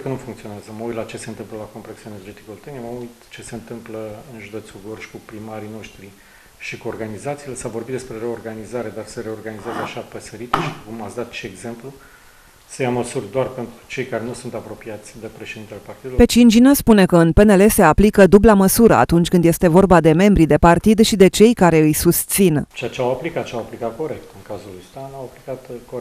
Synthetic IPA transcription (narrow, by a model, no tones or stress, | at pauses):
kənufuŋkt̪io̞neazəməujt̪lat͡ʃe̞se̞ɨnt̪ɨmpləlako̞mpɾeksiaene̞rd͡ʒe̞t̪i̥kolt̪eniəməujt̪t͡ʃe̞se̞ɨnt̪ɨmpləɨnʒud̪e̞t̪suɡorʃi̥kupɾimaɾino̞ʃt̪ɾi | ʃikuo̞rɡanizat̪siːlesavorbit̪d̪espɾe̞ɾe̞o̞rɡanizaɾe̞d̪arseɾe̞o̞rɡanizezeaʃapəsəɾit̪eʃi̥kumat̪sd̪at̪t͡ʃeːɡze̞mplu | səjaməsurʲd̪oarpe̞nt̪ɾɾut͡ʃe̞jkaɾe̞nusunt̪apɾo̞piat̪sʲd̪epɾe̞ʃed̪int̪elepart̪id̪pe̞t͡ʃint͡ʃinəspune̞kəɨnpe̞ne̞le̞se̞aplikəd̪ublaməsuɾə̰a̰t̪unt͡ʃʲkɨnd̪je̞st̪e̞vo̞rbad̪e̞me̞mbɾid̪e̞part̪id̪ʃid̪e̞t͡ʃe̞jkaɾe̞ɨjsust̪sint͡ʃeat͡ʃeawaplikat̪t͡ʃeawaplikat̪̚ko̞ɾe̞k̚t̪ɨŋkazulust̪anawaplikat̪ko